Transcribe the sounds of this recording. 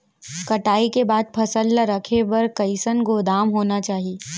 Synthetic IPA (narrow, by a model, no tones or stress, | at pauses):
kɐʈaːikebaːd̪̚pʰɐsəlːaɾɐkʰebɐɾkɐɪsənɡoːd̪aːmɦoːnat͡ʃaːɦieː